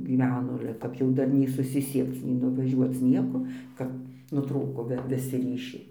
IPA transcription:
ɡʲiːˈʋʲæːnoː ˈɑːlʲɛ kɐp jɛʊ ˈdɐr nʲɛɪ sʊsʲɪˈsʲiɛkt͡s nʲɛɪ nʊʋɐˈʒʲuɔt͡s ˈnʲiɛkoː ˈkɐp nʊˈtruːkoː ʋʲɪˈsʲɪ ˈrʲiːʃʲɛɪ

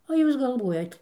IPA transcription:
oː ˈjuːs ɡɐlˠˈʋuɔjɛt

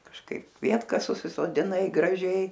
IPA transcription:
kɐʃˈkɐɪp ˈkʋʲiɛtkɐs sʊsʲɪsoːdʲɪˈnɐɪ ɡrɐˈʒʲɛɪ

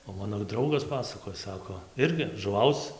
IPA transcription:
oː ˈmɑːnoː ˈdrɐʊɡɐs ˈpɑːsɐkoːj ˈsɑːkoː ˈɪrʲɡʲɪ ʒʊˈʋɐʊt͡s

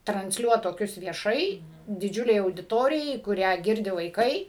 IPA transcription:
trɐnʲsʲˈlʲuɔt toːˈkʲʊs ʋʲiɛˈʃɐɪ dʲɪˈd͡ʒʲʊlʲɛɪ ɐʊdʲɪˈtoːrʲɪjɛɪ kʊˈrʲæː ˈɡʲɪrʲdʲɪ ʋɐɪˈkɐɪ

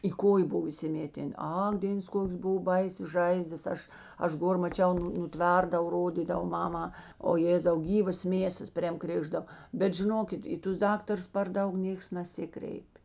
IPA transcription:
iː ˈkoːjeː ˈbʊw iːsʲɪˈmʲeːtʲɛn ˈɐk ˈdʲeːns ˈkoːkʲeːs ˈbʊw ˈbɐɪsʲeːs ˈʒɐɪzdɐs ˈɐʃ ˈɐʃ ˈɡoːr mɐˈt͡ʃʲɛʊ ˈnʊ nʊˈtʲʋʲɛrdɐw ˈroːdʲiːdɐw ˈmɑːmɑː oː ˈjeːzɐʊ ˈɡʲiːʋɐs ˈmʲeːsɐs pʲrʲeːm ˈkrʲeːʒdɐw ˈbʲɛt ʒʲɪˈnoːkʲɪt ˈiː tʊs ˈdɑːktɐrʊs pɐr ˈdɐʊk ˈnʲeːks nɐˈsʲɪkrʲɛɪpʲ

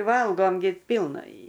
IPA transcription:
ˈʋɐlˠɡoːm ɡʲɪ ˈpʲiːlˠnɐ ɪ

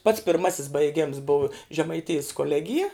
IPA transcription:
pɐts pʲɪrˈmɑːsʲɪs bɐɪˈɡʲɛms boːw ʒʲɛmɐɪˈtʲɪjɪs koːˈlʲæːɡʲɪjɛ

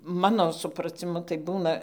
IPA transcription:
ˈmɑːnoː sʊprɐt͡sʲɪˈmʊ tɐɪ ˈbuːnɐ

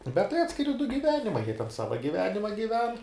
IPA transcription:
bʲɛt tɐɪ ˈɑːtʲsʲkʲɪrʲɪ dʊ ɡʲɪˈʋʲæːnʲɪmɐɪ jiɛ tʲɛn ˈsɑːʋɐ ɡʲɪˈʋʲæːnʲɪmɐ ɡʲɪˈʋʲɛn

